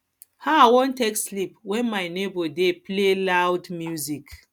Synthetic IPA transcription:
haawõntekslipwɛ̃nmaɪnebɔdeplelawdmjuzik

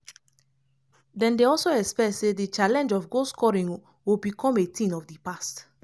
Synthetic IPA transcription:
dɛ̃ndeɔlsoɛspɛtsedit͡ʃalɛ̃nd͡ʒɔfɡoskɔɹĩŋ | wilbikʰɔ̃metĩnɔfdipast

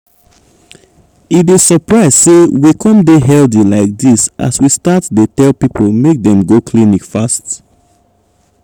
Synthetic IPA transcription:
idesəpɹaɪz̥sewikʰɔ̃mdeɦɛldilaɪk̚disʔa̰swistatdetɛlpipʰolˠmek̚dɛ̃mɡokʰlinikfast

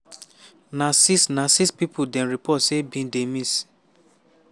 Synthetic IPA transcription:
nasisnasispipʰudɛ̃nɾipʰɔtsebĩdemĩs

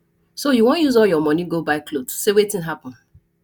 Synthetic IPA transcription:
sojuwɔ̃njuzɔljɔmɔ̃niɡobaɪklodsewetɪ̃nɦapɔ̃n̩

